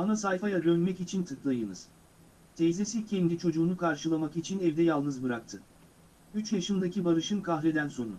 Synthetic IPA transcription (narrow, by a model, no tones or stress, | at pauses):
anasajfajad̪ønmɛcit͡ʃʰint̪ʰɯklˠajɯnɯz̥ | t̪ʰɛjzesicʰɛnd̪it͡ʃʰo̞d͡ʒuːnukʰaɾʃɯlˠamakit͡ʃʰinɛvd̪ɛjalˠnɯzbɯɾak̚t̪ʰɯ | yt͡ʃjaʃɯnd̪acʰibaɾɯʃɯnkʰaxɾɛd̪ænso̞nṵ